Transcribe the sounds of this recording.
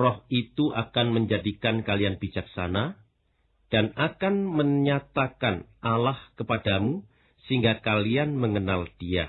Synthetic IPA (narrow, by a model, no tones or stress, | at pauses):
rɔhit̪uʔakanməɲd͡ʒadikankalianb̥id͡ʒak̚sa̰na | d̥anakanməɲat̪akanalahkəpadamu | səiŋɡakalianməŋənald̥ia